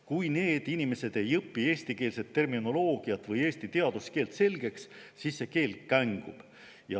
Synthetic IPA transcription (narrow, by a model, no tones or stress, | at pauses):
kujne̞ːd̪̥inime̞se̞d̪̥e̞jɤpːˑie̞ːsʲt̪ike̞ːlset̪ːe̞rmino̞lo̞ːɡ̥iɑt̪vɤje̞ːst̪it̪e̞ɑd̪̥uske̞ːlt̪se̞lɡ̥e̞kssisːe̞ke̞ːlkːæŋɡ̥ub̥ | jɑ